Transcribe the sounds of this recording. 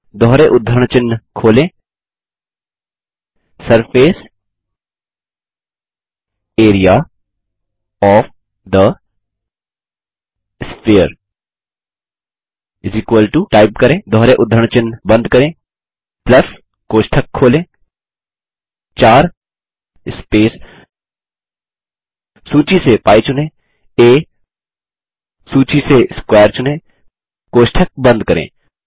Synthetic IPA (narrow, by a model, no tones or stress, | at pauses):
d̪ʱɔɦɾeʔʊd̪ʱːɾəɳ̃t͡ʃɪnːkʰoːlẽː | sɐɾfeːs | eːɾijaː | ɔːf | d̪ə | spiːəɾ | ɪzikwəlʈuʈaːɪp̚kɐɾẽːd̪ʱɔɦɾeʔʊd̪ʱɾəɳ̃t͡ʃɪnːbɐ̃nd̪̚ʱkɐɾẽː | plɐs | koːʃʈʰəkʰːoːlẽː | t͡ʃaːɾ | ɪspeːs | suːt͡ʃisepaːit͡ʃʊnẽ | eː | suːt͡ʃiseskwɛːəɾt͡ʃʊnẽː | koːʃʈʰək̚bɐ̃nd̪ʱkɐɾḛ̃ː